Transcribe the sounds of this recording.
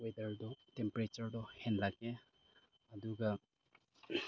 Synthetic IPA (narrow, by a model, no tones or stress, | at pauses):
wedɐɾdɔtempɾet͡ʃɐɾdɔhenlaɡe | ɐduɡɐ